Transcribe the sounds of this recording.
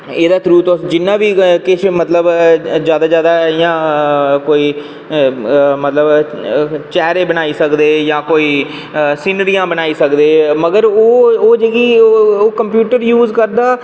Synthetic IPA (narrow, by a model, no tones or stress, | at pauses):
eːd̪aːt̪ʰɾuːt̪õd͡ʒɪnːãːʋiːkɪʃmət̪ləbzjaːd̪aːd͡ʒjaːd̪aːjãːkoːiː | mət̪ləb | t͡ʃɛːɾeːbənaːiːsəkd̪eːjãːkoːiː | siːnəɾijãːbənaːiːsəkd̪eːməɡəɾoːoːd͡ʒeːɡiːoːkəmpjuːʈəɾjuːzkəɾd̪aː